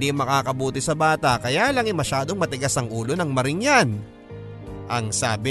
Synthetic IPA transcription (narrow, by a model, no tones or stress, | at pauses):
d̪imɐkaːkɐbuːt̪ɪsɐbaːt̪ɐkɐjaːlɐŋɪmɐʃaːd̪o̞ŋmɐt̪ɪɡasɐŋʔuːlo̞nɐŋmɐɾɪŋjan | ʔɐŋsaːbɪ